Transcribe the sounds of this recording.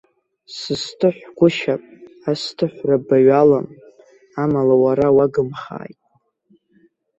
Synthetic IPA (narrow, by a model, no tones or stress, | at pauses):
sɨstʰɨħʷɡʷʊʃapʼastʰɨħʷrabaɥalam | amalawaɾawaɡɨmχa̰ːjtʼ